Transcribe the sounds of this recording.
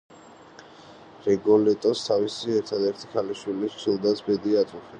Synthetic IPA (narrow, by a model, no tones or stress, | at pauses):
ɾɛɡɔlɛt̪ʼɔst̪ʰavisiɛɾt̪ʰad̪ɛɾt̪ʰi̥kʰaliʃwilist͡ʃʰilˠd̪asʰbɛd̪iat̪ʰuχɛ